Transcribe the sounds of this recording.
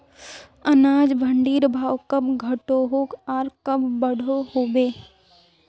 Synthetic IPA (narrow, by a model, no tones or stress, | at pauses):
ɐnaːd͡ʒbʱəɳɖiːɾbʱaːwkɐbɡʱɐʈoɦoːkaːɾkɐbbəɽ̤ʱohoːbeː